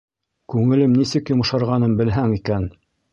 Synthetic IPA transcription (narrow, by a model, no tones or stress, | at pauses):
kʉŋɘ̆lɘmnisɘkjŏmɤ̆ʃɑɾʁɑnɤmbɘ̆lɦæŋikæn